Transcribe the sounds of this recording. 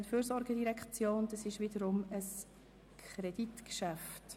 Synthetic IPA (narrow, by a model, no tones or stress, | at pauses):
nfyːɾsɔɾɡədiɾɛkχt͡sjoːnd̥ɑsɪʃʋɪdəɾʊməs | kʰɾeditkʃæft